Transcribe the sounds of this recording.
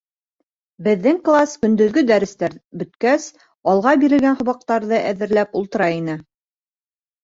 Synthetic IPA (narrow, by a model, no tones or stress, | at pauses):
bɘ̆ðːɘŋklˠaskɵ̆nd̪ɵ̆ðɡɵd̪æɾɘ̆st̪æɾbɵ̆t̪kæs | ɑlˠʁɑbiɾɘ̆lɡænhŏβɑq̚t̪ɑɾðɤʔæðɘ̆ɾlæpulˠt̪ɤ̆ɾɑinɘ